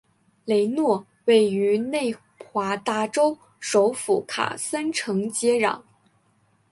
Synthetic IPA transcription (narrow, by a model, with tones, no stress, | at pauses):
le˧˥ɪnwɔ˥˩ | we˥˩ɪy˧˥ne˥˩ɪ | xwa˧˥t̪a˥˩ʈ͡ʂo˥ʊ | ʂo˧˥ʊfu˧˥˩kʰa̰˨˩sa˥nʈ͡ʂʰɤ˧˥ŋt͡ɕjɛ˥ɻɑ̰˨˩˦ŋ